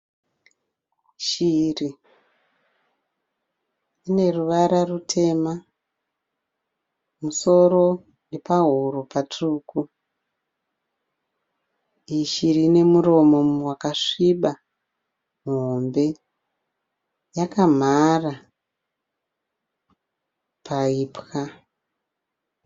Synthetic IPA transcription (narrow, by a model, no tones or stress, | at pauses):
ʃiri | ine̞ruʋaɾarutʰe̞ma | muso̞ɾo̞ | nepaɦuɾopatuːku | iʃirine̞muɾo̞mo̞mowakaʂiɓa | muɦombe̞ | jakam̤ara | pʰaiːpxa